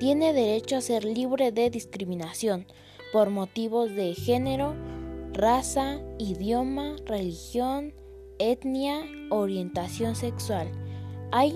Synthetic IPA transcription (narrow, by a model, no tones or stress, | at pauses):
t̪jeneðeɾet͡ʃoaseɾliβɾeðeðiskɾiminasjon | poɾmot̪iβozðexeneɾorasaiðjomarelixjon | et̪njaoɾjent̪asjonsekswalaj